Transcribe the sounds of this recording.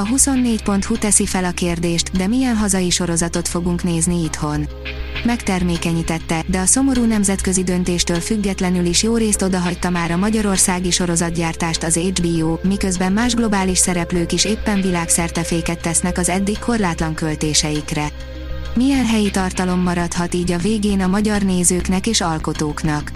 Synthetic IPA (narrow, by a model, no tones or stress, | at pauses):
ɒɦuso̞nːeːcpo̞nt̪hut̪ɛsifɛlɒkeːrd̪eːʃt̪d̪ɛmijɛnɦɒzɒjiʃo̞ɾo̞zɒt̪o̞t̪fo̞ɡuŋkneːzniit̪ho̞n | mɛkt̪ɛrmeːkɛɲiːt̪ɛt̪ːɛd̪ɛɒso̞mo̞ɾuːnɛmzɛt̪kø̞zid̪ø̞n̪t̪eːʃt̪øːlfyɡːɛt̪lɛnyliʃjoːɾeːst̪o̞d̪ɒɦɒc̚t̪ɒmaːɾɒmɒɟɒɾo̞rsaːɡiʃo̞ɾo̞zɒd̪ɟaːrt̪aːʃt̪ɒzed͡ʒbiːoːmikø̞zbɛmːmaːʒɡlo̞baːliʃsɛɾɛpløːkiʃeːpːɛɱvilaːksɛrt̪ɛfeːkɛt̪ːɛsn̪ɛkɒzɛd̪ːikkʰːo̞rlaːt̪lɒŋkølt̪eːʃɛjikrɛ | mijɛnɦɛjit̪ɒrt̪ɒlo̞mːɒɾɒt̪hɒt̪iːɟɒveːɡeːnɒmɒɟɒrneːzøːknɛkeːʃɒlko̞t̪oːknɒk